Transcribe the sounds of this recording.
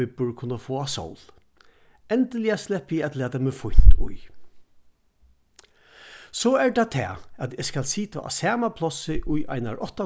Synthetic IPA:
ɪpʊɹkʰʊnːafoːaso̰wl | ɛnt̪ɪlɪaslɛpɪɛt̪lɛːt̪amɪfʊjn̥t̪ʊ̰j | sɔɛɹt̪at̪ʰɛ̰ːæt̪ɪskalsiːt̪a̰ʔa̰sɛːmapʰlɔsɪʔʊjʔa̰ɪna̰ɹʔɔht̪a

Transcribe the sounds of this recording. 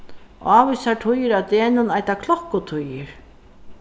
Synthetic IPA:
ʔaːvʏsaʈʰʊjɪɾat̪eːnʊnajt̪akʰlɔhkːʊt̪ʰʊjɪɾ

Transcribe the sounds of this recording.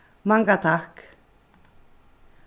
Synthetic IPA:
maŋɡat̪ʰak

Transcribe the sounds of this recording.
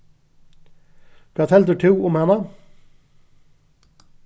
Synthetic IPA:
kɑt̪ʰɛld̪ʉːt̪ʰʉːʊmhɛnə

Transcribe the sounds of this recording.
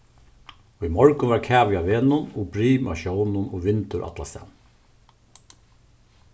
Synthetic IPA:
ʊjmɔɹkʊnʋaɹkʰæːʋjaʋeːnʊnobɾiːma̰ʃɔwnʊnoːʋɪnt̪ʊɾʔa̰t̪la̰st̪ɛ̰n

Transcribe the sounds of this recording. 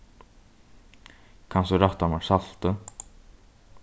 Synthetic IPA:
kʰansɔɾaht̪anaɾsal̥t̪ə

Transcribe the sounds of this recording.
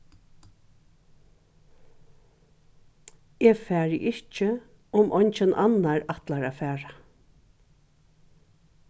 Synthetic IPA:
ɛːfæːɹɪ̰ʔɪht͡ʃə | ʊmʔɔɲt͡ʃɪnʔanaɹat̪laɹaːfæːɹa

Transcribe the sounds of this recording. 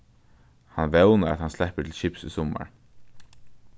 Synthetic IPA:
hanvɛwnaɾa̰t̪hanslɛhpət̪ʰɪlʃɪpsṵsɔma̰ɹ

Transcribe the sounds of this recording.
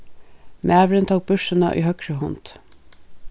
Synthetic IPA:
mʔæːʋɾənt̪ʰɑːk̚bʉʃənɑ̰ʔḭːhœkɹəhɔnt̪

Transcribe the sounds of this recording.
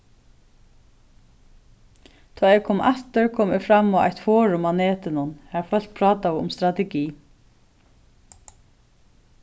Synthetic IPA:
t̪ʰɔːjɛkʰɔːmʔa̰ht̪ɪɹkʰoːmɪfɾamːava̰jht̪fɔːɾʊmanɛːt̪ɪnʊnhæɾfœl̥t̪̚pʰɾɑːt̪aʊmst̪ɾat̪ɛɡiː

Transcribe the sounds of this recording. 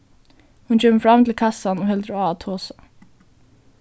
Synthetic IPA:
hʉnc͡çœməfɾɑmt̪ʰɪlkʰɑsanoːhɛld̪ɾoɑːt̪ʰoːsɑ̥

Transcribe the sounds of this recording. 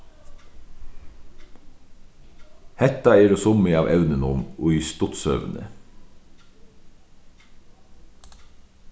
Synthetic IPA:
hɛt̪ɑeːɾoːsʊmiɑːʋʔɛʉnənʊmoːiːst̪ʊt̪sœ̰ʋnə̰

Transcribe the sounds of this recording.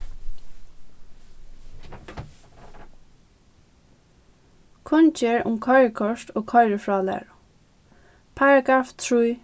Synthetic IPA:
kʰʊnd͡ʒeːɹʊ̰mkʰɔɪɹəkʰɔʃt̪oːɡkʰɔɪɹəfɹɑːlɛ̰ːɹʊ | pʰaɹaɡaːft̪ʰɹuj

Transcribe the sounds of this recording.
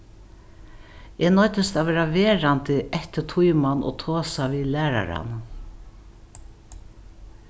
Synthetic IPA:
eːnɔʏt̪əst̪aʋeːɾaveːɾant̪ɪʔɛht̪ɪt̪ʰujmanɔ̰ːt̪ʰoːsaviːlæːɾa̰ɾa̰n

